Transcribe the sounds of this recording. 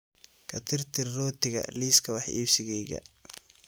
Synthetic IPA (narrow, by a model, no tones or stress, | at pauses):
kʰɐt̪ʰɪrt̪ʰɪrːɔːt̪ʰɪɣɐ̰liːskʰɐwɑħʔḭːsɪɣɛjɣɐ̰